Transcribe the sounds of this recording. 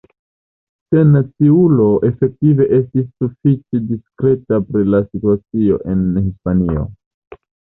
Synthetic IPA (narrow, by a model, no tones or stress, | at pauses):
se̞nat͡siulo̞ʔe̞fe̞k̚tive̞ʔe̞stisːufit͡ʃediskɾe̞tapɾilasituat͡sio̞̰ʔe̞nhispanio̞̰